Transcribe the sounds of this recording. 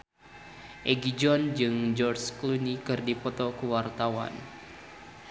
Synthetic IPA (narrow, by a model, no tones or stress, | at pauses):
ʔɛɡid͡ʒɔnd͡ʒɨŋd͡ʒɔrt͡ʃklunikɨrdipɔt̪ɔkuwart̪awa̰n